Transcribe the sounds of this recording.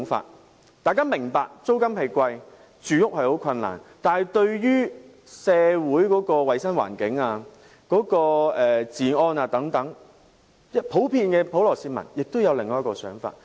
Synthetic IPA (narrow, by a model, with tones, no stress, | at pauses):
ŋfa̰ː˧t̚ | t̪aː˨jkaː˥mɪ˨˩ŋpaː˧k̚t͡so˥wkɐ˥mpe˨˧jkʷɐ˧j | t͡ʃyː˨˧jʊ˥k̚hɐ˨jho˨˥wkʰɐ˧nːa̰ː˨˩nt̪aː˨˩hɐ˨jt̪ɵ˧ɥjyː˥ | sɛː˧wuː˨˥jkɔː˨˥kɔː˧wɐ˨˧jsɐ˥nwa̰ː˨˩nkɪ˨˥ŋaː˧ | kɔː˨˥kɔː˧ʔɛː˨t͡siː˨˩ɔː˧naː˧t̪ɐ˨˥ŋt̪ɐ˨˥ŋ | jɐ˥pʰo˨˥wpʰiː˧nkɛː˧pʰo˨˥wlɔː˨˩siː˧mɐ̰˨˩njɪ˨k̚t̪o˥wjɐ˨˧wlɪ˨ŋːɔː˧˦ɐ˥kɔː˧sœː˨˥ŋfa̰ː˧t̚